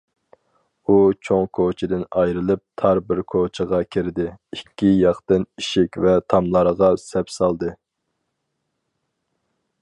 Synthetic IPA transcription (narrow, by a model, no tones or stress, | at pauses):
ut͡ʃʰoŋkʰot͡ʃʰɪd̪ɪnɑjɾɨlˠɨp̚t̪ʰɑɾbɪɾkʰot͡ʃʰəʁɑkʲʰiɾɪd̪ɪikʲʰːijɑχt̪ɨniʃɪkʲvɛt̪ʰɑmlˠɑɾʁɑsɛpsɑlˠd̪ɨ